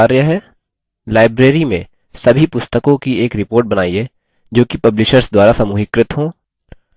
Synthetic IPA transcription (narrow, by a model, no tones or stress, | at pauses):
aːɾjəɦɛː | laːɪbɾeːɾimḛ̃ | sɐbʱipʊst̪əkõkieːkɾɪpoːɾʈ̚bɐnaːieː | d͡ʒoːkipɐblɪʃəɾsd̪waːɾasɐmuːɦɪkɾɪt̪ɦõː